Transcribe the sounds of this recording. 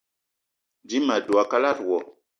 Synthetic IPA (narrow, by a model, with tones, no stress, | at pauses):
d͡ʒi˦ma˨du˨a˨ka˦la˦ɾwɔ˨